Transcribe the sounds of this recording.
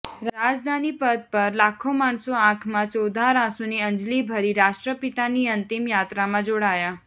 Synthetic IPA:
ɾɾad͡ʒd̪ʱanipəd̪̚pəɾlakʰomaɳsoãkʰmãt͡ʃɔwd̪ʱaɾãsuniə̃nd͡ʒlibʱəɾiɾaʃʈɾəpit̪aniənt̪imjat̪ɾamãd͡ʒoɽaja

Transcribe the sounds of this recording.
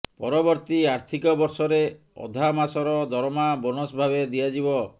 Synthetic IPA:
pɔɾɔbɔɾt̪iaɾt̪ʰikɔbɔɾsɔɾe | ɔ̰d̪ʱamasɔɾɔd̪ʱɔɾɔmabɔnɔsbʱabed̪ijad͡ʒibɔ

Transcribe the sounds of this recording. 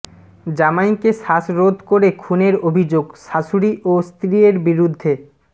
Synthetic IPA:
d͡ʑamajkeʃaʃɾod̪ʱkoɾekʰuneɾobʱid͡ʑoɡʃaʃuɾiʔost̪ɾieɾbiɾud̪ʱːe

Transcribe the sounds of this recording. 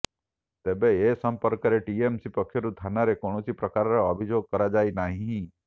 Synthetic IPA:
t̪ebeesəmpəɾkɾeʈiemsipəkʰːjoɾut̪ʰanaɾekoɳ̃osipɾəkaɾɾoəbʱid͡ʒoɡ̚kəɾad͡ʒainaɦĩ

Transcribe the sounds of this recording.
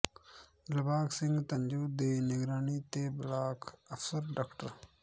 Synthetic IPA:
lɐbaːksɪ̃ŋɡt̪ɐnd͡ʒuːd̪eːnɪɡɾaːniːt̪eːblaːkʰɐfsɐɾɖaːkʈəɾ

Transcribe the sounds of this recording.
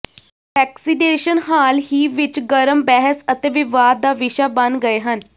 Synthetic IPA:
ʋɛːksineːʃənɦaːlɦiːʋɪt͡ʃɡəɾəmbɛɦəsət̪eːʋɪʋaːd̪̚ːaːʋɪʃaːbənd̪ɡəeːɦən

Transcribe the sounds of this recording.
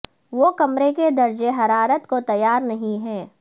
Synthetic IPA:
ʋokɐmɾeked̪ɐɾd͡ʒeɦɐɾaːɾət̪kot̪ɐjːaːɾnɐɦĩɦɛ̃ː

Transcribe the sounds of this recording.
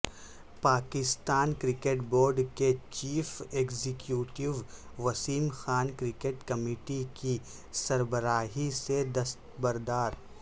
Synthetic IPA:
paːkɪst̪aːnkɾɪkeːʈboːɾɖket͡ʃiːfeːkzɪkjuːʈɪʋʋɐsiːmxaːnkɾɪkeʈkɐmiːʈiki | sɐɾbəɾaːɦised̪ɐst̪bɐɾd̪aːɾ

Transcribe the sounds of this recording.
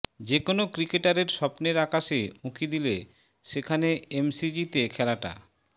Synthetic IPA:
d͡ʑekonokɾikeʈaɾeɾʃɔpneɾakaʃemukʰid̪ile | ʃekʰaneemsid͡ʑit̪ekʰɛlaʈa̰

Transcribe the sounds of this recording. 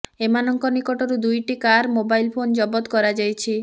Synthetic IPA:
emanɔŋkɔnikɔʈɔɾud̪ujʈikaɾmobajlpʰond͡ʒɔbɔt̪kɔɾad͡ʒajt͡ʃʰi

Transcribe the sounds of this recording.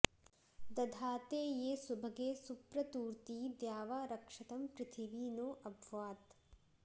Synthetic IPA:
d̪ɐd̪ʱaːt̪eːjeːsubʱɐɡeːsupɾɐt̪uːɾt̪iːd̪jaːʋaːɾɐkʂɐt̪ɐmpɾɪt̪ʰiʋiːnoːʔɐbʱʋaːt̪

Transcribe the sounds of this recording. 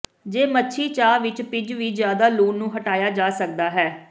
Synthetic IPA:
d͡ʒeːmətːʃʰiːt͡ʃaːʋɪt͡ʃpɪd͡ʒʋiːzjaːd̪aːluːnnũːɦəʈaːjaːd͡ʒaːsək̚d̪aːɦɛː

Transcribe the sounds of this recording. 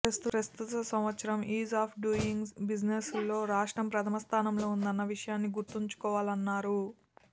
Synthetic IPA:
ɐst̪upɾɐst̪ut̪ɐsɐmʋɐt̪sɐɾɐmiːzaːpʰɖuiŋbid͡ʒneslːo̞ːɾaːʂʈɾɐmpɾɐt̪ʰɐmɐst̪ʰaːnɐmlo̞ːund̪ɐnːɐʋiʂɐjaːnːiɡuɾt̪uɲt͡ʃu̥kɔːʋaːlɐnːaːɾu

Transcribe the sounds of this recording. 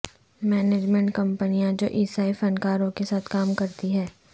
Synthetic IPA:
mɛːneːd͡ʒmɛ̃ɳʈkɐ̃mpənijãd͡ʒo̰ːʔiːsaːifɐ̃nkaːɾõkesaːt̪ʰkaːmkɐɾt̪iɦɛː

